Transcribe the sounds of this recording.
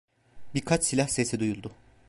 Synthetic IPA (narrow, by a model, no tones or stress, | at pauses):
bikʰat͡ʃsilʲahsesɛd̪ujulˠd̪ʊ